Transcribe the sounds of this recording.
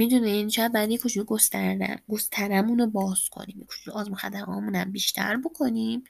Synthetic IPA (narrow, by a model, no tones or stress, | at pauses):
mid̪uneinʃæbd̪̚bɒjæd̪jekʰot͡ʃʰuiɡo̞st̪ʰæɾd̪æ̰mɡo̞st̪ʰæɾæmunobɒːz̥kʰo̰niːmjekʰo̥t͡ʃuliɒːzmoxæd̪æmɒ̰ːmunæmbiʃt̪ʰæ̰ɾbo̞kʰoniːm